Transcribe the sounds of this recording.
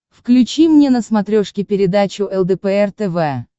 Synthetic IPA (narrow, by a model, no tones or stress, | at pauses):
fklʲʉt͡ɕimnʲenəsmɐt̪ɾʲoʂkʲɪpʲɪɾʲɪd̪at͡ɕʊʔɛlˠd̪ɛpɛɛrt̪ɛvɛ